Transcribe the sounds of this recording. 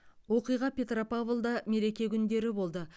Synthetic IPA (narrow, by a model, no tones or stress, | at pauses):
wo̞qijʁɑpʲʰe̞t̪ropavlˠd̪ɑme̞ɾe̞kʲe̞kʲʰʏnd̪e̞ɾɪbo̞lˠd̪ə